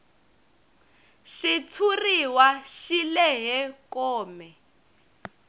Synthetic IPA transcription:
ʃit͡sʰuriwaʃilɛɦɛkɔːmɛ

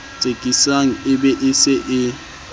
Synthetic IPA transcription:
t͡sʼekʼisaŋ̩ɪbɛʔɪsɪʔɪ

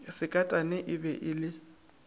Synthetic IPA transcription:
sɪkʼatʼanɛʔɪbɛʔɪlɪ

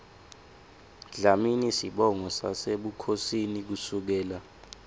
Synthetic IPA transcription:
ɮaminisiɓɔŋɔsa̰seɓukʰosinik̬usuk̬ɛːla

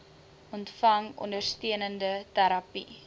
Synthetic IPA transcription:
ʔɔntfɐŋɔ̰ndərstiənəndətæɾɐpi

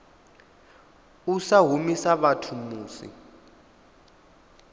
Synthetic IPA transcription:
usaɦumisaβatʰumuːsḭ

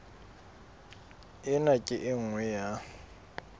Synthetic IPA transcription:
ɪnakʼɪʔɪŋ̩wɛja

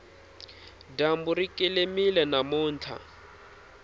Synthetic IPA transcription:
dambuɾikʼelemilɛnamʊːnt͡ɬʰa̰

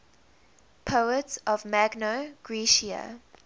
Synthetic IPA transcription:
pʰoʊətsɔvmæɡnoɡ̥ɹiʃia̰

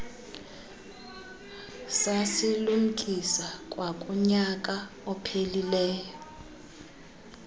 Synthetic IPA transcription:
sasilum̩kʼisakʼwakʼɔɲak̬ʼa | ɔpʰelilɛːjɔ

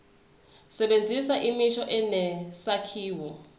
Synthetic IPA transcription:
sɛɓend͡zʱisaʔimiʃɔʔɛnɛsakʰiːwɔ

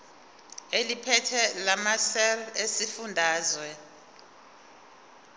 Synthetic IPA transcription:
elipʰɛtʰɛlamasɛlesifundʱaːzwɛ

